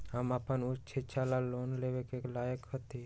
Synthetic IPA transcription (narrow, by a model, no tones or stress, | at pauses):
ɦəməpənʊt͡ʃʰit͡ʃʰalaloːnleʋekeklaːjəkhət̪i